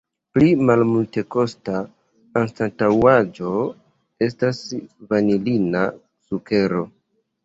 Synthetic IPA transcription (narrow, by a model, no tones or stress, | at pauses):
plimalmulte̞ko̞sta | kanstatawad͡ʒo̞ | e̞stasvanilina | suke̞ɾo̞